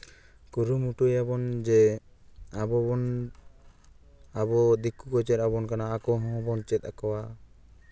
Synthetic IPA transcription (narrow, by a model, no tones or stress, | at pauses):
kuɾumuʈujabɔnd͡ʒɛ | abɔɔn | abɔd̪ikukɔt͡ʃɛɾabɔnkanaːkɔɦɔ̃bɔnt͡ʃɛt̪̚a̰kɔwa